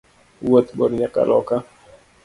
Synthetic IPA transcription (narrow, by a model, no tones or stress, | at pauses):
wot̪bɔɾiɲaka̰lɔka